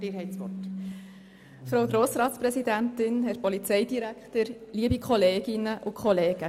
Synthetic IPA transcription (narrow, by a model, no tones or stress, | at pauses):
d̥ɪːɾɦɛɪtsʋɔ̰rt | fɾowɡɾoːsɾɑːt̪spɾɛsidænt̪ɪnɦɛt̚pɔlit͡sɛjdiɾækχtəɾliəbikχɔleːɡ̥ɪnəʔʊkʰχɔleːɡ̥ə